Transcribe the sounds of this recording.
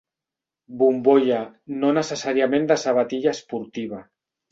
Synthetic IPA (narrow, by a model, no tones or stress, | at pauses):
bumboʎa | nonəsesaɾijamẽnd̪asaβat̪iʎaspuɾt̪iβ̞a